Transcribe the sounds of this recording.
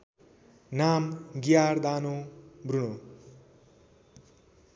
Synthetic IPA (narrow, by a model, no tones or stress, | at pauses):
namɡijard̪anobruno